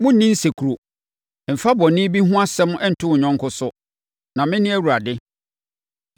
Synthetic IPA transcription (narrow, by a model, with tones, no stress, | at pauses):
mʊ̃˦n̩˨nĩ˦n̩˦se˨kʰu˨ɾo˨ | m̩˨fa˦bɔ˨nɪ̃˦bi˦ɦũ˦a˦sɛ˦m̃˦ʔɛ˦n̩˨tʰʊ˦˨ɲɔ̃˦ŋ˦kʰʊ˦sʊ˦ | nã˨mɪ̃˦nɪ̃˦æ˦wu˨ɾa˨dɪ˦